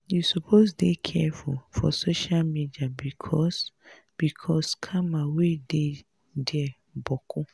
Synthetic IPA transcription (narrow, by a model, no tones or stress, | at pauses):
jusupʰosdekʰɛfufɔ̰soʃalmidiabikʰɔs | b̥ikʰɔskʰamawede | dɛ | bɔkʊ